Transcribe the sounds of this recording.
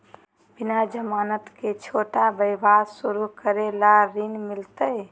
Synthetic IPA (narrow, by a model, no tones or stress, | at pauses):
b̥inad͡ʒəmaːnət̪ket͡ʃʰoːʈabəjbadsuɾukəɾelaɾinmɪlt̪əj